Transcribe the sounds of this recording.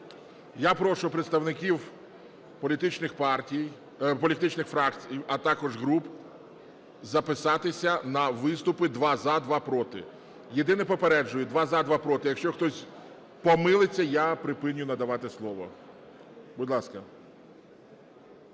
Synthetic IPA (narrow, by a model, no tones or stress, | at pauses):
japɾɔʃʊpɾet̪st̪ɐwnɪkʲiw | pɔlʲit̪ɪt͡ʃnɪxpɑrtʲij | pɔlʲit̪ɪt͡ʃnɪxfɾɑkt͡sʲijɐt̪ɑkɔʒɦɾup | zɐpɪsɑt̪ɪsʲɐnɐʋɪst̪ʊpɪd̪ʋɑzad̪ʋɑpɾɔt̪ɪ̰ | jed̪ɪnɛpɔpeɾɛd͡ʒʊjʊd̪ʋɑzɑd̪ʋɑpɾɔt̪ɪjɐkʃt͡ʃɔxt̪ɔsʲ | pɔmɪlˠɪt͡sʲːɐjapɾɪpɪnʲːʊnɐd̪ɐʋɑt̪ɪslˠɔʋɔ̰ | bʊdʲlˠɑskɐ